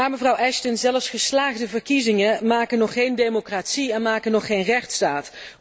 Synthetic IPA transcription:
naːɹməvrɑwʔɛʃtənzɛləfsχəslaːɣdəvəɹkizɪŋəmaːkənɔχːejndemokratsiɛnmaːkənɔχːejnrɛχtstaːt

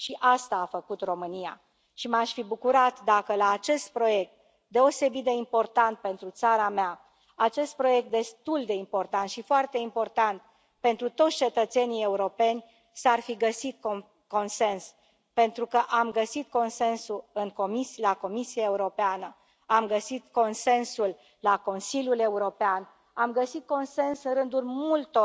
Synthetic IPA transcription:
ʃiʔast̪aːfəkut̪ro̞mɨnija̰ | ʃimaʃʲfibukuɾat̪d̪akəlaːt͡ʃe̞st̪̚pɾo̞je̞k̚t̪̚ | d̪e̞o̞se̞bit̪̚d̪e̞impo̞rt̪ant̪̚pe̞nt̪ɾut̪saɾamea | at͡ʃe̞st̪̚pɾo̞je̞k̚t̪̚d̪e̞st̪uld̪e̞impo̞rt̪ant̪ʃifoart̪e̞impo̞rt̪ant̪̚ | pe̞nt̪ɾut̪o̞t̪sʲt͡ʃe̞t̪ət̪se̞nije̞uɾo̞pe̞nʲ | sarfiɡəsit̪̚ko | ko̞nse̞ns | pe̞nt̪ɾukəʔamɡəsit̪̚ko̞nse̞nsuɨŋko̞misilako̞misiaeuɾo̞peanə | amɡəsit̪ko̞nse̞nsulː | ako̞nsilʲjule̞uɾo̞pean | amɡəsit̪̚ko̞nse̞nsɨnɾɨnd̪ulmult̪o

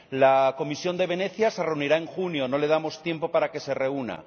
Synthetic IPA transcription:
lako̞misjo̞nd̪e̞β̞e̞ne̞θjase̞re̞uniɾae̞ŋxunjo̞no̞le̞ð̞amo̞st̪je̞mpo̞paɾake̞se̞re̞una̰

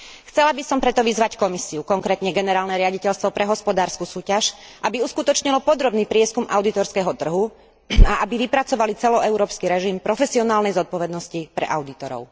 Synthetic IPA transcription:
xt͡sɛlabisɔmpɾɛt̪ɔʋizʋackɔmisiukɔŋkɾɛːt̪ɲɛɡɛnɛɾaːlnɛɾɪaɟicɛʎst̪ʋɔpɾʔɛɦɔspɔd̪aːɾskusuːcaʃʔabiuskut̪ɔt͡ʃɲilɔpɔd̪ɾɔbniːpɾɪɛskumaʊd̪it̪ɔɾskɛɦɔt̪r̩ɦu | aabiʋipɾat͡sɔʋalit͡sɛlɔɛʊɾɔːpskiɾɛʒimpɾɔfɛsiɔnaːlnɛjzɔt̪̚pɔʋɛd̪nɔscipɾɛ̰ʔa̰ʊd̪it̪ɔɾɔ̰ʊ

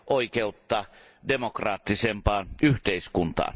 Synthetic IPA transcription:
ʔoikeut̪ːɑː | demokrɑːt̪ːisempɑːnyht̪eiskunt̪ɑ̰ːn

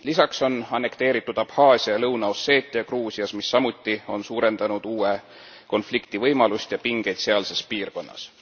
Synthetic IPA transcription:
lisɑkso̞nɑne̞kt̪e̞ːɾit̪ːˑud̪̥ɑphɑːsʲijɑlɤwnɑosːe̞ːt̪ːˑjɑkruːsiɑsmisːɑmut̪ːˑio̞nsuːɾe̞nd̪̥ɑnud̪̥uːe | ko̞nflikt̪ivɤjmɑlust̪jɑpiŋɡ̥e̞jd̪se̞ɑlse̞spiːrko̞nːɑ̰s

